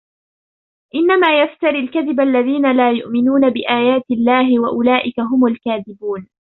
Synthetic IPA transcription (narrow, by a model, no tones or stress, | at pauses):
ʔɪnːamaːjaft̪aɾilkaðɪbʔalːaðiːnalaːjʊʔmɪnuːnabɪʔaːjaːt̪ɪlːaːɦɪwaʔʊlaːʔɪkaɦʊmalkaːðɪbuːn